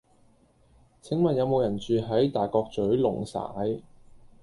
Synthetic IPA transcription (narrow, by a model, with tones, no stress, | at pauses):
t͡sʰɪ˨˥ŋmɐ˨njɐ˨˧wmo˨˧wjɐ˨˩nt͡ʃyː˨ɦɐ˨˥jt̪aː˨˩jkɔː˧k̚t͡sɵ˨˥ɥlʊ˨˩ŋsa̰ː˨˥j